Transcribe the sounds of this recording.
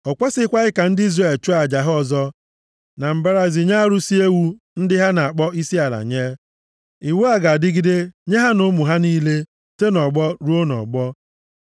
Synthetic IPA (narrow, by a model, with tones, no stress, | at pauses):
ɔ˨kʷa˦sɪ˦kʷa˦ɪ˦ka˨n̩˦dɪ˦i˦zre˨lt͡ʃu˦a˨d͡ʒa˨ɦʊ˦ɔ˨zɔ˦ | na˨m̩˨ba˦ɾa˦zi˨ɲa˦ɾu˦si˦e˦wu˦ | n̩˦dɪ˦ɦa˦na˨a˨k͡pɔ˦i˦si˦a˨la̰˨ɲeː˦ | i˨wu˦a˦ɡa˨dɪ˦ɡɪ˦de˦ɲe˦ɦa˦nʊ˦mu˨ɦa˦niː˦le˦ | te˦nɔ˨ɡ͡bɔ˦ɾu˦o˦nɔ̰˨ɡ͡bɔ˦